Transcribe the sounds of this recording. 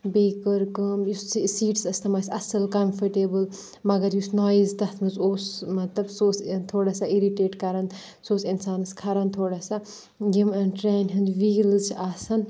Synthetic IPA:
beːkəɾkəmjust͡ssiːʈsɐst̪ʰɐmɐsʲɐsɐlkɐmfʰəʈeːbɨl | mɐɡɐɾjusnaːjizd̪ɐt̪ʰmɨzoːsmɐt̪lɐbsoːst̪ʰoːɽasaiɾiʈeːʈkɐɾɐn | soːsinsaːnɨskʰɐɾɐnt̪ʰoːɽasa | ɡimɐnʈɾɛːnɦind̪ʋiːlɨt͡ʃʰaːsɐn

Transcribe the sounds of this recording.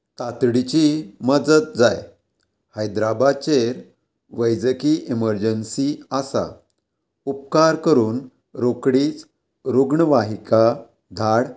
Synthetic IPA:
t̪at̪ɽit͡ɕiməd͡zət̪̚d͡zaj | həjd̪ɾabat͡ɕeɾ | ʋəjd͡zəkiiməɾd͡ʑənsiasa̰ | up̚kaɾkəɾuːn | ɾokɽiːt͡s | ɾuɡɳəʋaɦika | d̪ʱaɽ

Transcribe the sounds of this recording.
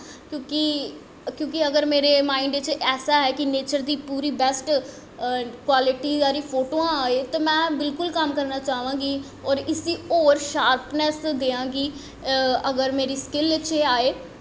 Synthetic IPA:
kjõːki | kjõːkiəɡəɾmeːɾeːmaːɪɳɖt͡ʃɛːsaːɦɛːkɪneːt͡ʃəɾd̪iːpuːɾiːbɛsʈ | kwaːlɪʈiːaːɾiːpʰoːʈoːãːaːeːt̪oːmɛ̃ːbɪlkʊlkəmkəɾnaːt͡ʃaːʋãːɡiː | ɔːɾɪsiːoːɾʃaːɾpnɛsd̪eːãːɡiː | əɡəɾmeːɾiːskɪlɪt͡ʃeaːeː

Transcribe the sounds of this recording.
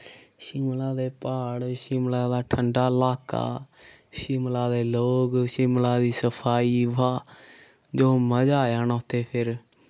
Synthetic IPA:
ʃɪmlaːd̪eːpaːɽʃɪmlaːd̪aːʈʰəɳɖaːlaːka̰ː | ʃɪmlaːd̪eːloːɡʃɪmlaːd̪iːsəpʰaːiːʋaː | d͡ʒoːməd͡ʒaːjaːnoːt̪eːpʰɪɾ

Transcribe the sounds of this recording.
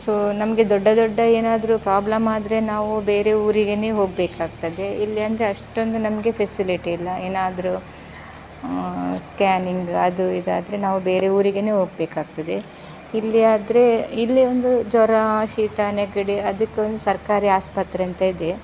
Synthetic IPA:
soːnɐmɐɡe̞d̪ɔɖːɐd̪ɔɖːɐeːnaːd̪ɐɾupɾaːblɐmaːd̪ɾe̞naːʋube̞ːɾe̞uːɾiɡeneːɦo̞ːɡ̚beːkaːɡ̚t̪ɐd̪e̞ilːiɐnd̪ɐɾeɐʂʈo̞nd̪unɐmɐɡe̞pʰesiliʈiːlːɐeːnaːd̪ɐɾu | skaːniŋɡɐd̪uid̪aːd̪ɐɾe̞naːʋube̞ːɾe̞uːɾiɡene̞ːɦo̞ːɡ̚beːkaːɡ̚t̪ɐd̪e̞ | ilːiaːd̪ɾe̞ilːio̞nd̪ud͡ʒɔɾɐʃiːt̪aːneɡɐɽiɐd̪ɐkːeond̪usɐɾkaːɾiːaːspɐt̪ɾeɐnt̪ɐid̪e̞

